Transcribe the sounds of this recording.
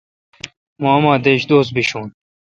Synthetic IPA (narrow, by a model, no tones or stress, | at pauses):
mãːmaːd̪eːɕd̪oːs̚biɕuːn